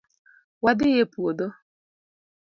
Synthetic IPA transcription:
wadɪjepuodo

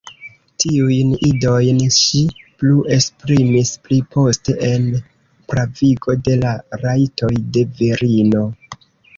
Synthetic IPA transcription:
tiujnido̞jnʃipluʔe̞spɾimisplipo̞ste̞ʔen | pɾaviɡo̞de̞laɾajto̞jde̞veɾino̞

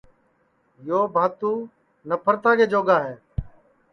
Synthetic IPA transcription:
joːbʱaːt̪uː | nəpʰəɾt̪aːɡeːd͡ʒoːɡaːɦɛː

